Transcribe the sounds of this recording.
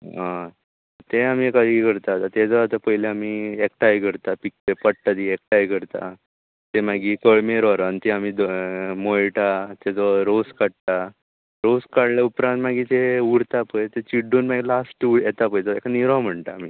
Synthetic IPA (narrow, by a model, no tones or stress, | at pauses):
ɦã | t̪eam̤ikad̪iɡʱəɾt̪at̪at̪ed͡zɔat̪apəɦileamiekʈajɡʱəɾt̪apik̚tepəɽt̪at̪iek̚ʈajɡʱəɾt̪a̰ | t̪emaɡikəɭmeɾaɾant̪eamid̪mojʈat̪ed͡zɔɾoskaɽ̚t̪a | ɾoskaɽleupɾãnt̪maɡit̪euɾt̪apəjt̪et͡ɕiɖunmaɡilasʈujɛt̪apəjɔekaniɾãm̤əɳt̪aam̤iː